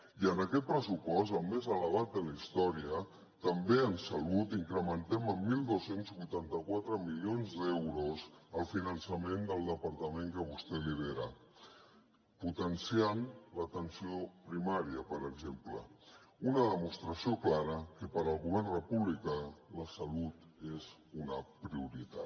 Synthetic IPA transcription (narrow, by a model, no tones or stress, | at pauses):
iənəkɛt̪̚pɾəsupɔst̪əlˠmezələβ̞at̪̚d̪ələist̪ɔɾiə | t̪əmbeənsəlut̪iŋkɾəmənt̪ɛməmːilˠd̪osenzβujt̪ant̪əkwat̪ɾəmilionzd̪ɛwɾoszəlˠfinənsəmend̪əlˠd̪əpəɾt̪əmẽŋkəβ̞ust̪ɛliβeɾa̰ | put̪ənsianlət̪ənsiopɾimaɾiəpəɾəɡzempləunəðəmust̪ɾəsioklaɾəkəpəɾəlˠɣuβ̞ɛrnrəpuβlikaləsəlut̪ | ez | unəpɾiuɾit̪at̪